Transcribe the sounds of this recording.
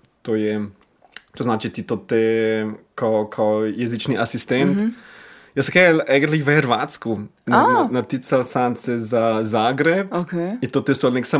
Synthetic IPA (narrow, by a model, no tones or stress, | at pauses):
t̪ojɛ | t̪oznaːt͡ʃit̪it̪ot̪e | kakʰajɛzit͡ʃniʔasist̪ɛnt̪ | jəskɛlɛɡɾlixʋəxɛɾʋaːt̪skunnat̪isasansɛzazaːɡɾɛpkeint̪ot̪est̪olneksa